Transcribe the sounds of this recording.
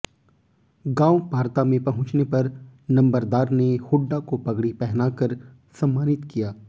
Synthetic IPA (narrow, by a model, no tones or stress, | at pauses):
ɡãːwbʱaːɾt̪amẽpɐɦʊ̃t͡ʃnepɐɾnɐ̃mbəɾd̪aːɾnehʊɖːakopɐɡɽipɛɦnaːkɐɾ | sɐmːaːnɪt̪kijaː